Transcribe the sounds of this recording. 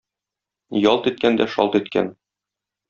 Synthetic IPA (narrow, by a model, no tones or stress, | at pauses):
jɒlˠt̪it̪̚kænd̪æʃɒ̰lt̪it̪kæ̰n